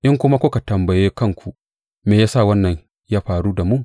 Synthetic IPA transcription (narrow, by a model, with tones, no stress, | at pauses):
ʔɪ˦ŋkʷʊ˦ma˦kʷʊ˦ka˨tɐ˨mbɐ˨jeː˦kɐ˦ŋkʷʰu˨ | meː˨jaː˦sa˦˨wɐ˦nːɐ˨ɲ | jaː˦ɸaː˨ɽuː˦da˨mʊ˦˨